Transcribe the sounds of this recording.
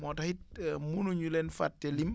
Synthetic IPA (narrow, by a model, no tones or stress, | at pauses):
mɔtahit̚munuɲulɛnfa̰tːɛlim